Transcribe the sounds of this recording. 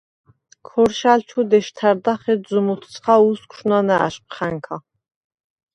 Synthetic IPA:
kʰɔɾʃalt͡ʃʰud̪ɛʃt̪ʰæɾd̪aχɛzumut̪ʰt͡sʰχauskʷʰʃnanɛa̰ʃqʼχæŋkʰa

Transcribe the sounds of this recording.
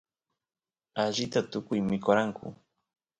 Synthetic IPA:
aʒɪt̪at̪ʊkʊjmɪkoɾaŋkʰʊ̰

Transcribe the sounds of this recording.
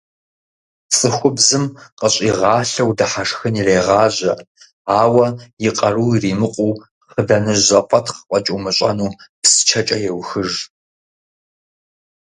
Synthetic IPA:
t͡sʼɨxʷʊbzɨmqʼəɕʼiːʁɑːɬɐwdɐħaʂxɨnireːʁɑːʑɐ | aːwɐjɪqʼɐruːriːmɨqʷʼuː | χədɐnɨʒɐpʷʰʼɐtʰχəqʷʼɔt͡ʃʼuːmɨɕʷʼɐ̰nuːpsɨ̥t͡ʃʰɐt͡ʃʼɐjɛwxɨʐ

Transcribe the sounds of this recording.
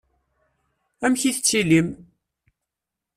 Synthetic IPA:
æmçiθət͡sːilim

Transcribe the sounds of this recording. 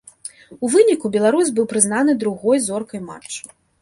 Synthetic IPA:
uvɨnʲikubʲɛlˠaɾuzʲbɨwpɾɨznanɨd̪ɾuɣɔjzɔrkɐjma̰t͡ʂt͡ʂːɐ̥

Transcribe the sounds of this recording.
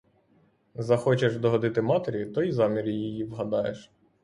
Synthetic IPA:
zɐxɔt͡ʃeʃd̪ɔɦɔd̪ɪt̪ɪmɑt̪eɾʲit̪ɔjzɑmʲiɾjjijiʋɦɐd̪ɑjḛʃ

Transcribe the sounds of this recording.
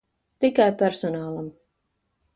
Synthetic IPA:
t̪ikajpʲæɾsɔnaːlˠam

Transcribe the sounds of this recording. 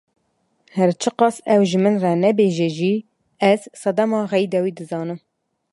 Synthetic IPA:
hɛɾt͡ʃʰɨqɑsɛwʒɨmɨnrɛnɛbeːʒɛʒi | ɛzsɛd̪ɛmɑːɣɛjd̪ɛwiːd̪ɨzɑːnɨm

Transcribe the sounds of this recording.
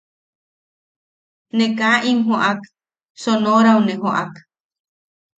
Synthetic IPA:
nekaʔiŋɦoʔak | sonoɾawneɦoʔa̰k

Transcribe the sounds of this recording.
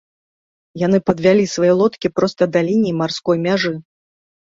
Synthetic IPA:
jan̪ɨpɐd̪vʲalʲisvajɛlˠɔt̪kʲipɾɔst̪ɐd̪alʲinʲijmarskɔjmʲaʐɨ

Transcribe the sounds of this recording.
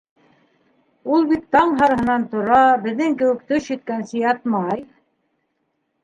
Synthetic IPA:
ulˠbit̪ːɑɴɦɑɾ̆ɦɤ̆nɑnt̪ŏɾɑbɘ̆ðːɘŋkɘ̆wɘ̆kt̪ɵʃjɵ̆t̪̚kænsɘ̆jɑt̪mɑj

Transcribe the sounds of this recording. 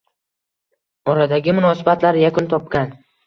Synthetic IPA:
ɒɾad̪aɡʲɪmʊnɒsɪbat̪laɾjakʰʊnt̪ʰɒpkʲan

